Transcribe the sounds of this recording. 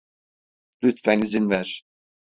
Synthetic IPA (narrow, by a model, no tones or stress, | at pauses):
lyt̪fænizinvæɾ̥